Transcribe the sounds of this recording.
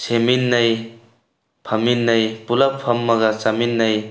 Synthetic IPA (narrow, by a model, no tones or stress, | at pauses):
seminːɐj | pʰɐminːɐjpulɐppʰɐmːɐɡɐt͡ʃaminːɐj